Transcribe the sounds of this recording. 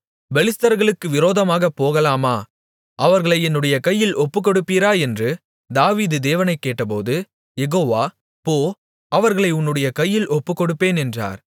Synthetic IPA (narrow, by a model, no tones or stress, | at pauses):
bɛlɪst̪ɐɾɣɐɭɯkːɯʋɪɾoːðɐmaːɣɐpːoːɣɐlaːmaː | ʔɐʋɐɾɣɐɭɐɪɛnːɯɽɐjɐkɐjːɪlɔpːɯkːɔɽɯpːiːɾaːɛndrɯ | d̪aːʋiːðɯd̪eːʋɐnɐɪkːeːʈːɐp̬o̰ːðɯ | jɛɣoːʋaː | poː | ʔɐʋɐɾɣɐɭɐɪʊnːɯɽɐjɐkɐjːɪlʔɔpːɯkːɔɽɯpːeːnɛndra̰ːɾ